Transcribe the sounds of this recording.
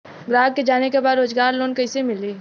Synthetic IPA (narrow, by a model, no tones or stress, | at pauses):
ɡɾaːɡ̚ked͡ʒaːnekebaːd̪ɾoːd͡ʒɡaːɾloːnkɐɪsemɪliː